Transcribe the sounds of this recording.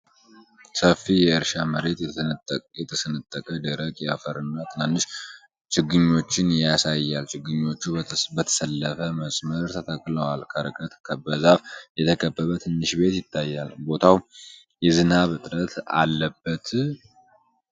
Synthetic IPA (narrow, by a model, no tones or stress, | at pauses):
səfijɛɨɾʃaməɾe̞t̪ | jɛt̪ʰəsɨnɨt̪ʼːəkʼəd̪əɾəkʼjɛafəɾɨnːat̪ʰɨnanːɨʃ | t͡ʃɪɡːɨɲːo̞t͡ʃːɪnjasajːalt͡ʃɪɡɨɲːo̞t͡ʃːubət̪ʰə̥səlːəfəməsʼməɾt̪ʰət̪ʰakʼːləwalkʰəɾɨ̰kʼət̪kʰəbəzafjɛt̪ʰəkʼʰəbːəβət̪ʰɨnːɨʃbe̞t̪jɪt̪ʰːajːalbo̞t̪ʰaw | jɛzɨnaβɨt̪ʼɾət̪ʰa̰lːəbːət̪